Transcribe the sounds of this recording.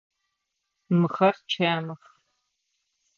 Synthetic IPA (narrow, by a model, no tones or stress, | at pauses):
mɨχɐrt͡ʃʰaːmɨχ